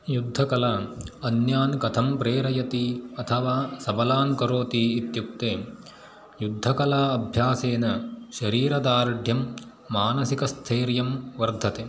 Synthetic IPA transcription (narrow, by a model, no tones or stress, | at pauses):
jud̪ʱːɐkɐlaːɐnjaːnkɐt̪ʰɐmpɾeːɾɐjɐt̪iɐt̪ʰɐʋaːsɐbɐlaːnkɐɾoːt̪iːt̪juk̚t̪eː | jud̪ʱːɐkɐlaːɐbʱjaːseːnɐʃɐɾiːɾɐd̪aːɾɐɖʱjɐmː | aːnɐsikɐst̪ʰeːɾjɐmʋɐɾd̪ʱɐt̪eː